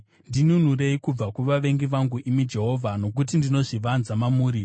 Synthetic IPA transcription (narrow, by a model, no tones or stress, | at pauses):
ndinun̤ure̞ikub͡vakuʋaʋe̞ŋɡiʋaŋɡuʔimid͡ʒe̞ɦo̞ːvʱano̞k̬ut̬indino̞ʐiʋanzamamuːɾi